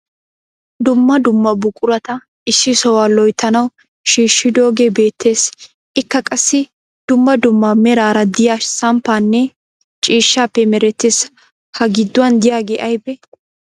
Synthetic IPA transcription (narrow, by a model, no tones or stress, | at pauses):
d̪ʊmːɐd̪ʊmːɐbʊkʼʊɾɐt̪ɐ | ɪsːɪsɔwaːlɔjt̪ʰːɐnɐw | ʃiːʃːɪd̪o̞ːɡebe̞ːt̪ʰːe̞ːs | ʔɪkːɐkʼɐsːɪ | d̪̥ʊmːɐd̪ʊmːɐmɛɾaːɾɐd̪ɪjasɐmpːaːnːɛ | t͡ʃʼiːʃːaːpːɛmɛɾɛt̪ːeːs | hɐɡɪd̪ːʊwɐnd̪ɪjaːɡeːʔɐjbɛ